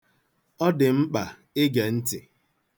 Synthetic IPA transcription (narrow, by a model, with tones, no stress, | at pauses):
ɔ˦dɪ˨m̩˦k͡pa˨ | ɪ˦ɡe˨n̩˦tɪ˨